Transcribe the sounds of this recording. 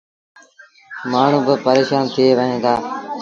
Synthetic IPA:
maːɳ̤ũːbɪpəɾeːʃaːnt̪ʰieːʋəɦẽːnd̪aː

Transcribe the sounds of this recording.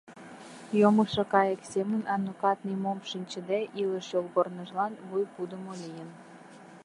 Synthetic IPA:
joməʃekɑjə̆ksemənɑnukɑt̪̚nimomʃinʲt͡ɕə̆d̪eʔiləʃjolɣornəʒlɑnβujpud̪əmolijən

